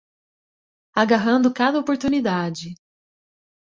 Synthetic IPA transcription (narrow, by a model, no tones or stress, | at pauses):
aɡaɦɐ̃nd̪ʊkad̪ɐopoɾt̪unid̪ad͡ʒɪ